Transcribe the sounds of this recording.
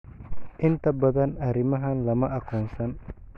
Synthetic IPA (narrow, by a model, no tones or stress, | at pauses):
ʔɪnt̪ʰɐbɐðɐnɐɾɪmɐɦɐnlɐmɐʔɐkʰɔːnsɐn